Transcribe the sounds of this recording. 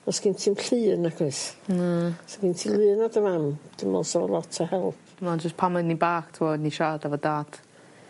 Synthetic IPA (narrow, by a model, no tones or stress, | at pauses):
ɔsɡ̥intʰɪmɬɨːnaɡɨs | sɔɡiːntʰilˠɨːnadəvamd̥ɪmɔ̰lˠsɔɔlˠɔtʰəhɛlˠpʰmand͡ʒəspʰamɨnibaːktʰɪvoːdniʃaːdavɔdaːd̥